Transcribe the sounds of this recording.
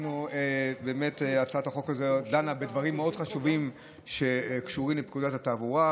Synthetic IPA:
noebe̞ːmeteat͡saataχo̞kazedanabe̞d̪vaʁimːeo̞d̥χaʃuvim | ʃe̞kʃuʁimlep̚kudatataːvuʁa

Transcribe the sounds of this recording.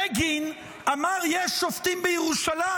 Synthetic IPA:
eɡin | amaʁjeʃoft̪imbejeʁuʃala

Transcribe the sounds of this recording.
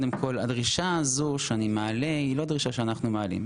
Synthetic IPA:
d̪e̞mkʰo̞la̰dʁiʃaːzuʃeanimealeilo̞d̪ʁiʃaʃeanaχnumealḭm

